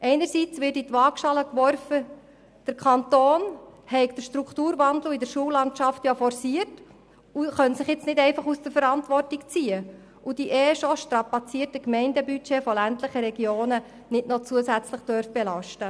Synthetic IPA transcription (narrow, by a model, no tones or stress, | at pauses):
ʔɛɪnəɾsit͡sʋɪːɾtitʋɑkʃɑləkʋɔrfə | d̥əɾkʰɑntoːnhɛɪkd̥əʃtɾukχtuːɾʋɑnd̪l̩idəɾʃuəlɑntʃɑftjɑfɔɾsiət | uχœnsɪχjɪt͡snɪdɛɪfɑχusd̥əɾfəɾɑntʋɔrtikt͡siːə | ud̥iʔɛːʃɔʃtɾɑpɑt͡siːtəkmɛɪndəbyt͡ʃeːfɔlæntləχəɾɛɡjoːnə | nɪtnɔt͡suəsæt͡sləχd̥œɾfb̥ɛlɑʃtə